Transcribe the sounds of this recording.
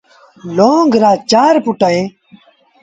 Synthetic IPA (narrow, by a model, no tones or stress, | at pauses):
loːŋɡɾaːt͡ɕaːɾpuʈəẽ